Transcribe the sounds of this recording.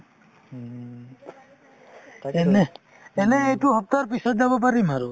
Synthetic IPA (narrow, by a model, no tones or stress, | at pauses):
ɛnɛ | ɛnɛejtuɦɔp̚t̪aɹp̬isɔtzabɔp̬aɾimaɹu